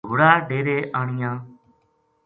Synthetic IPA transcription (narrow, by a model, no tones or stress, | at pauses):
oːɽaːɖeːɾeːʔaːɳɪjãː